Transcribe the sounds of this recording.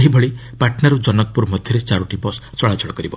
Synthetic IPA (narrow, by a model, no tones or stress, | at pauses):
ɦibʱɔɭipaʈnaɾud͡ʒɔnɔk̚puɾmɔd̪ʱjɔɾet͡ʃaɾuʈibɔst͡ʃɔɭad͡ʒʰʱɔɽɔkɔɾibɔ